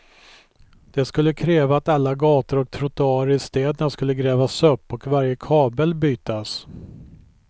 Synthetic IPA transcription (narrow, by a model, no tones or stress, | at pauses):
d̪̥ɛskɵlːəkʰɾɛːvaːt̪alːaɡɑːt̪əɾɔk̚t̪ʰɾʊt̪ʊɑːɾəɪst̪eːd̪ənaskɵlːəɡɾɛːvasɵpːɔkvaɾjəkʰɑːbəlbyːt̪as